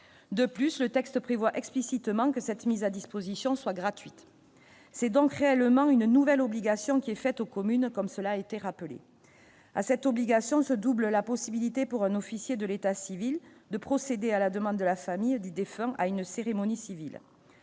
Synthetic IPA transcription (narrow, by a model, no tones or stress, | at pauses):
d̪əplyslət̪ɛkst̪pχevwaʔɛksplisit̪mɑ̃kəsɛt̪mizad̪ispozisjɔ̃swaɡʁat̪ɥit̪ | sɛd̪ɔ̃kʁeɛləmɑ̃ynnuvɛlɔbliɡasjɔ̃kʲiɛfɛt̪okɔmynkɔmsəlaːet̪eʁapəlḛ | a̰sɛt̪ɔbliɡasjɔ̃səd̪ubləlapɔsibilit̪epuʁɛ̃nɔfisjed̪əlet̪asivil | d̪əpχɔsed̪ealad̪əmɑ̃d̪əd̪əlafamijd̪yd̪efɛ̃ʔa̰ynseʁemɔnisivḭl